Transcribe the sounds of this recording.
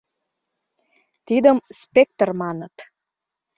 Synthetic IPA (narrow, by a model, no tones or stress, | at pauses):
t̪id̪əmspek̚t̪ərmɑnət̪